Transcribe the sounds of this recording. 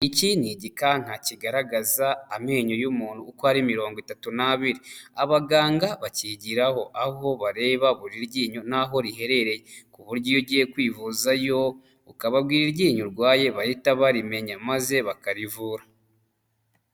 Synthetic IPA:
iciniɟikaŋ̥haciɡaɾaɡazaːmeɲo̞jumuːn̥huːkohaɾimiɾo̞ːŋɡwitatunaβiɾiaβaɡaːŋɡaβaciɟiɾaho̞ʔaɦo̞βaɾe̞ːβaβuɾiɾɟiːɲonaɦo̞ɾihe̞ɾe̞ɾe̞jekuβuɾɟojoɟijekwiːvuzajo̞ | ukaβabɡiːɾiɾɟiːɲuɾɡwaːje̞βajitaβaɾime̞ɲamaze̞βakaɾivuːɾa

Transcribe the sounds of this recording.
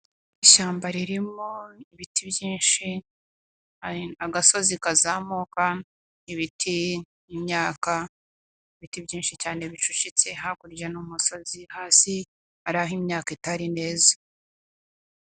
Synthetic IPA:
iʃaːmbaɾiɾimoiβitibjiːnʃi | aɡaso̞zikazamoka | iβitʰiː | mɲaːka | iβitibɟiːnʃicaːneβit͡ʃuʃit͡se̞ɦakuɾɟanumuso̞zihaːsi | aɾaɦimɲaːkaitaɾine̞ːza

